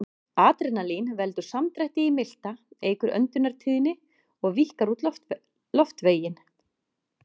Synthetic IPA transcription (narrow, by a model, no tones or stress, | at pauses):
aːt̪ɾɛnalinvɛlt̪ʏɾ̥samt̪ɾajht̪ɪimɪl̥t̪aeːjkʏɾʔœ̰nt̪ʏnːaɾ̥t̪ʰiːðɪnːɪ | ɔɣvihkaɾut̪l | ɔft̪veːjɪn